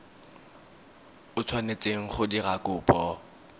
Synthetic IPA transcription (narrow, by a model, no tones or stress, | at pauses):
ʊt͡sʰwanet͡sʼeŋ̩χʊdirakʼʊːpʼɔ